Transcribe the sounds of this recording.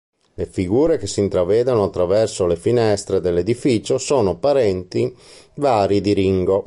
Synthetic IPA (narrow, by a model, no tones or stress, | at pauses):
lefiɡuːɾek̟esːint̪ɾavɛːd̪anoat̪ːɾavɛrsolefinɛst̪ɾed̪elːed̪ifiːt͡ʃosoːnopaɾɛnt̪ivaːɾid̪iɾiŋɡo